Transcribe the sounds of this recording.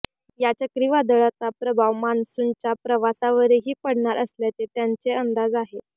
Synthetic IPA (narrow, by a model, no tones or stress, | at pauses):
jat͡ɕjakɾiʋad̪əɭat͡sapɾəbʱaʋmansunt͡ɕjapɾəʋasaʋəɾeɦiːpəɽɳaɾʔəsljat͡set̪jaɲt͡seənd̪ad͡zaɦe